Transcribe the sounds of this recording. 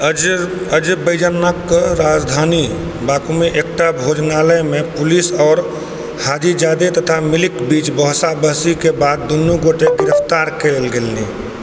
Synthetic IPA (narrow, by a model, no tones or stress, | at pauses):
əd͡ʒbəɪd͡ʒənːəkːɾad͡ʒd̪ʱaːni | bakumeʔek̚ʈabʱod͡ʒnaləjmẽpʊlisɔːɾ | haːd͡ʒid͡ʒaːd̪et̪ət̪ʰamɪlɪkbiːt͡ʃbɔɦsabəɦsikebaːd̪̚ːonːuɡoʈeɡɪɾəpʰt̪aːɾkelɡelnḭ